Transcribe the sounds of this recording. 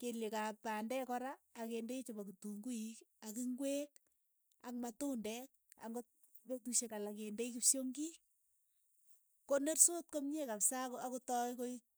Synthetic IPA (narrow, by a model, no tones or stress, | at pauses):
keljekapandɛkɔɾaːkendeit͡ʃobokituŋɡuikakiŋɡweːk̚ | a̰kmatuːndɛk̚a̰ŋɡo | petuʃekalakendeikipsoŋɡi | konersot̚komɲekapsakoakotɔikoi